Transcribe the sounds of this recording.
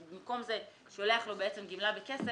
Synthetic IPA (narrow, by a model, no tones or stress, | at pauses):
bimko̞mze | ʃoleaχlobeet͡se̞mɡimlabekese